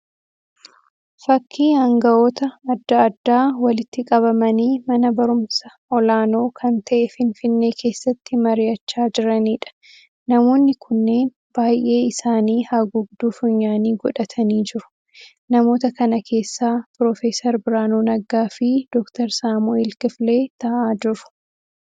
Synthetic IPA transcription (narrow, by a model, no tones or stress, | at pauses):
fɐkʰːiːhɐŋɡɐo̞ːt̪ɐːd̪ːɐɐd̪ːaːwɐlɪt̪ːɪkʼɐβɐmɐniːmɐnɐbɐɾʊmsɐʔɔlaːno̞ːkʰɐnt̪ɐʔɛfɪnfɪnːeːkʰe̞ːsːɐt̪ːɪmɐɾɪjɐt͡ʃːaːd͡ʒɪɾɐniːᶑɐ̥ | nɐmo̞ːnːɪkʰʊnːe̞ːn | b̥aːjʔe̞ːɪsaːniːhaɡʊɡd̪uːfʊɲːaːniːɡɔᶑɐt̪ʰɐniːd͡ʒɪɾʊ̥ | nɐmo̞ːt̪ɐkɐnɐkʰe̞ːsːaːpɾɔːfeːsɐɾbɪɾaːnuːnɐɡaːfɪd̪̥ɔkt̪ɐɾsaːmuɛlkɪfleːt̪ɐʔaːd͡ʒɪɾʊ̥